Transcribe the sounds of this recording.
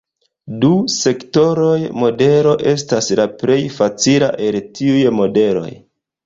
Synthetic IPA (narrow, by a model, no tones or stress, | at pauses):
duse̞kto̞ɾo̞jmo̞de̞ɾo̞ʔe̞s̬taslaple̞jfat͡sila̰ʔe̞ltʰiujmo̞de̞lo̞̰j